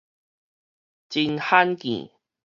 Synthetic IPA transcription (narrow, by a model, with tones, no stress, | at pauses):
t͡ɕi˧nha˦nkḭ̃˨